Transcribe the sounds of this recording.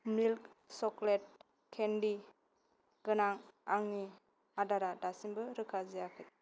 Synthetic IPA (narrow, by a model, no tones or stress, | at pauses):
milksɔklet̚ | kʰendi | ɡ̥ɯnaŋaŋni | adaɾadasimbɯɾɯkʰazijakʰɯt̚